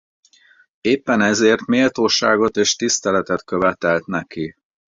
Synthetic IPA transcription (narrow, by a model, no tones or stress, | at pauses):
eːpːɛnɛzeːrt̪meːlt̪oːʃaːɡo̞t̪eːʃt̪ist̪ɛlɛt̪ɛt̪køvɛt̪ɛlt̪nɛki